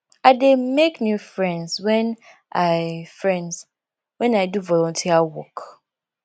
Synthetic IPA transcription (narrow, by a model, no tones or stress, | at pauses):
aɪdemeknjufɹɛ̃nzwɛ̃n | ʔaɪfɹɛ̃nz | wɛ̃naɪduvɔlɔ̃ntʰiawɔk